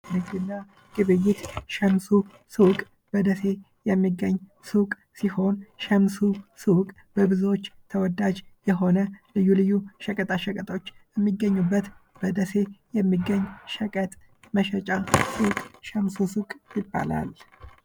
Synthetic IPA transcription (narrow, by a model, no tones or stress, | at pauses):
mɨɡd̪ɨnːa | ɡ̥ɨβɨjːɪt̪ʃɛmsu | sɨkʼ | b̥əd̪əse̞ | jɛmːiɡːəɲː | sukʼ | siho̞nʃəmsusɨkʼ | b̥əbɨzot͡ʃːt̪ʰəwɔd̪ad͡ʒjɛɦo̞nəlɨjːulɨjːuʃəkʼət̪ʼaʃəkʼət̪ʼo̞t͡ʃːjɛmːiɡːəɲːubːət̪b̥əd̪əse̞jɛmːiɡəɲːʃəkʼət̪ʼ | məʃət͡ʃʼasɨwkʼʃɛmsusukʼjɪbːa̰la̰l